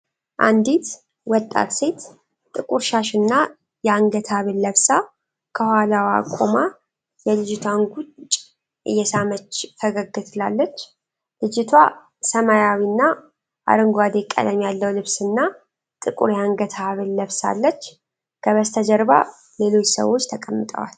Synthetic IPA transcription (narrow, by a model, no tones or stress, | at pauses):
ʔa̰nd̪it̪ | wɔt̪ʼːa̰t̪se̞t̪ | t̪ʼɨkʼuɾʃaʃɨnːa | jɛaŋɡət̪ʰaβɨlːəβsa | kʰəhhalawa̰kʼoma | jɛlɨd͡ʒɪt̪ʰwanɡut͡ʃt͡ʃʼ | ʔɨ̰jːɛsamət͡ʃːt̪ʰəɡəɡɨt̪ʰlalːət͡ʃː | lɨd͡ʒɪt̪ʰwa̰ | səmajawinːa | ʔa̰ɾɨŋɡʷad̪ekʼːə̰d̪əmjalːəwlɨβsɨnːa | t̪ʼɨkʼṵɾjaŋɡət̪ʰaβɨlːəβsa̰lːət͡ʃː | kʰəβəst̪ʰəd͡ʒəɾba̰ | le̞lo̞t͡ʃːsə̰wo̞t͡ʃːt̪ʰəkʼəmːɨt̪ʼə̰wa̰l